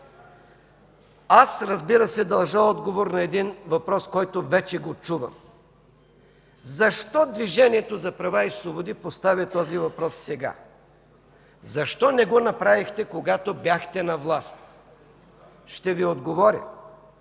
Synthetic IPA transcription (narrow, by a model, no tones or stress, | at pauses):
asɾɐzbiɾəsɛd̪ɐlˠʒəɔd̪ɡovoɾnɐɛd̪invɐpɾɔskɔjt̪ovɛt͡ʃɛɡot͡ʃuvɐ̰m | zɐʃt̪ɔd̪viʒɛniɛt̪ozɐpɾɐvaislˠobod̪ipost̪avʲət̪ɔzivɐpɾɔsːɛɡa̰ | zɐʃt̪ɔnɛɡonɐpɾavixt̪ɛkoɡat̪objaxt̪ɛnɐvlˠast̪ | ʃt̪ɛviod̪ɡovɔɾʲɐ̰